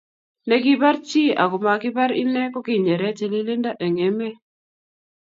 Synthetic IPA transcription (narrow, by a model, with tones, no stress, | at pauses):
nɛ˦kɪ˦ba˦ɾt͡ʃi˦a̰˨ɡʊ˨ma˨kɪ˦ba˦ɾḭ˦nɛ˦kɔ˦kɪ˦˨ɲe˨ɾɛ˦t͡ʃe˨li˦lɪ˦nda˦ʔe˨ŋe˨˦me˦